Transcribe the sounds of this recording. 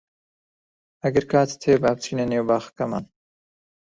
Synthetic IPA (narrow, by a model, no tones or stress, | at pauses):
ɐɡɐɾkʰaːt̪t̪ʰeːbaːb̚t͡ʃʰiːneneːwbaːxkɐma̰ːn